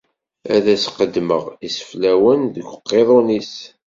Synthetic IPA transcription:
æðæsqəd̪ːməʁisə̥flæwənðəɡʷəqːeðˤonis

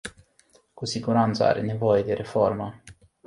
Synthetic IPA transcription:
kusiɡuɾant̪sə̰a̰ɾenevojed̪eɾʔeformə

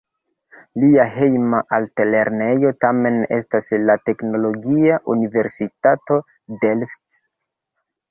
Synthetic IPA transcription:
liaɦe̞jmaʔaltele̞ɾne̞jo̞tame̞ne̞̰staslate̞kno̞lo̞ɡiaʔunive̞ɾsitato̞ | de̞lft

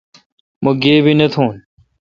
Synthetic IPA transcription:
moɡeːbʱinət̪ʰoːn

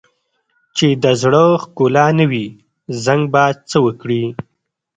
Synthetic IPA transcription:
t͡ʃed̪əzɽəxkolɑnəwi | zaŋɡ̚bat͡səwəkɽi

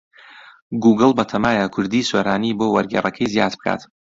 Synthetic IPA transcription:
ɡuːɡɨlˠbɐt̪ʰɐmaːjakʰʊɾd̪isweɾaːniboːwɐɾɡḛːrɐkʰɐjzjaːd̪b̚ɨkʰa̰t̪

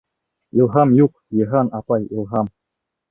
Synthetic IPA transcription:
ilˠɦɑmjuq̚ | jɤ̆ɦɑnɑpɑjḭlˠɦɑm

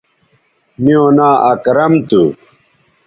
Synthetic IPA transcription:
miõːnaːʔɐkɾɐmt̪u

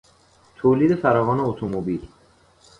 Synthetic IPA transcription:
t̪ʰoːliːd̪efæɾɒːvɒːneot̪ʰomobil

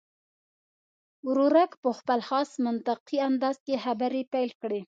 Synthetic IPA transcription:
ɾuɾakpəxpəlxɑsmʊnt̪aqiand̪ɑzkexabaɾepajlkɽe

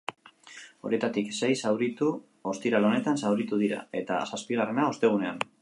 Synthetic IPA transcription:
o̞̰ɾie̞t̪at̪ikse̞jsawɾit̪u | o̞st̪iɾalo̞ne̞t̪ansawɾit̪uðiɾa̰e̞t̪a̰saspiɣare̞nao̞st̪e̞ɣ̞une̞an

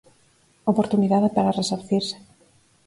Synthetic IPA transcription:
opoɾt̪uniðaðepaɾaresoɾθiɾse̥

